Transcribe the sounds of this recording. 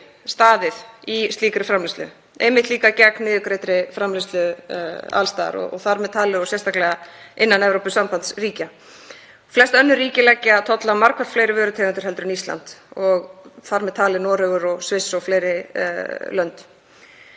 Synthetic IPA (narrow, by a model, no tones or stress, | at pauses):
st̪aːðɪðist̪iːkɾɪfɾamlɪst̪lʏ̰ | ḛjmɪht̪liːkacɛknmɪːðʏkɾeːjt̪ɾɪfɾamlɪst̪lʏ | a̰lst̪aːð̰ɾɔ̰ɔ̰ɣθaɾmɛðt̪ʰaːlɪɔsjɛst̪ʰaklɛɣaɪnːanɛvɾowpʏsampant̪sriːca | flɛst̪œnːʏriːcɪlɛcːɪaðt̪ʰɔt̪lamaɾkʰḁt̪fleːjɾɪvœːɾʏt̪ʰɛːɣant̪ʏɾ̥ɦɛl̪t̪ɾʏnist̪la̰nt̪ɔɣθaɾmɛðt̪ʰaːlɪnɔːɾœɣʏɾɔɣsvɪsːɔɣfleːjɾɪ | lœnt̪